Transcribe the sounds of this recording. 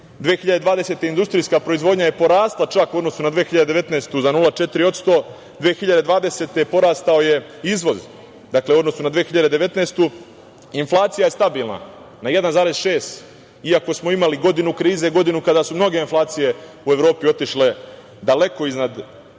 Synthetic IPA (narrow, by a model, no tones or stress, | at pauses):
d̪ʋeːxiʎad̪e̞d̪ʋaːd̪e̞se̞t̪eind̪ust̪ɾijskapɾo̞izʋo̞d̪ɲaje̞po̞ɾaːst̪lˠat͡ʃakuo̞d̪no̞sunad̪ʋeːxiʎad̪eeʋe̞t̪neːst̪uzanulˠat͡ʃe̞t̪ɾio̞t̪st̪o̞ː | d̪ʋeːxiʎad̪e̞d̪ʋaːd̪e̞se̞ːt̪e̞po̞ɾaːst̪aoje̞izʋo̞z | d̪akle̞uod̪no̞sunad̪ʋeːxiʎad̪e̞d̪e̞ʋe̞t̪nest̪u | inflˠaːt̪sijaje̞st̪abiːlˠna̰ | najed̪anzaːɾe̞zʃe̞ːst̪ | iako̞smo̞imaliɡo̞d̪inukɾiːze̞ɡo̞d̪inukad̪asumno̞ɡeinflˠaːt̪sije̞ | ue̞ʋɾo̞ːpio̞t̪iʃle̞ | d̪ale̞ko̞iznad̪